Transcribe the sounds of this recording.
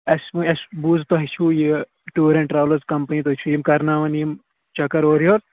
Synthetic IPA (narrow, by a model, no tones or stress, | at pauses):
ɐsmuɐsbuːzt̪oɦit͡ʃʰuːji | ʈuːɾɐ̃ɳʈɾaːʋlɐɾzkɐmpɐnit̪oit͡ʃʰuimkɐɾnaːʋɐnim | t͡ʃɐkɐɾoːɾjoːɾ